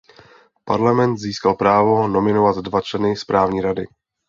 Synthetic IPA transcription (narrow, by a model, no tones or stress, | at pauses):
pa̰ɾlamɛnt̪ziːskalpɾaːvo̞no̞mɪnovat̪dvat͡ʃlɛnɪspɾaːvɲiːɾadɪ̰